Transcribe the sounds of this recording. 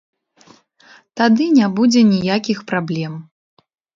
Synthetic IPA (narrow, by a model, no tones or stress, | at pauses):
t̪ad̪ɨnʲabud͡zʲɛnʲijakʲixpɾablʲɛm